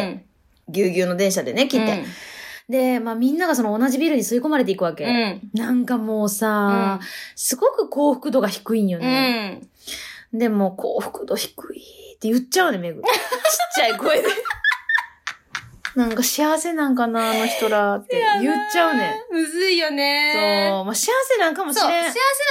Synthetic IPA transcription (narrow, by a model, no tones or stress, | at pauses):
ɡʲɨːɡʲɨːno̞d̪ẽ̞ɰ̃ɕad̪e̞ne̞kʲit̪ːe | d̪e̞maːmʲĩnːaɡaso̞no̞ːnaʑibʲiɾɯ̟ɲ̟isɨiko̞maɾe̞t̪eikɯ̟βake̞nãŋkamo̞ːsaː | sɨɡo̞kɯ̟ko̞ːɸɯ̟̥kɯ̟d̪o̞ɡaçi̥kɯ̟injone | d̪e̞mo̞ːkʰo̰ːɸɯ̟̥kɯ̟d̪o̞çi̥kɯ̟it̪ːe̞jɯ̟t͡ɕaɯne̞me̞ɡɯ̟t͡ɕi̥t͡ɕːaikoeɾɯ | nãŋkaɕiaβase̞nãŋkanaːno̞çi̥t̪o̞ɾat̪ːejɯt͡ɕːaɯ̟nẽɯzɨijonesoːmaɕiaβase̞nãŋkamo̞ɕiɾẽɕiaase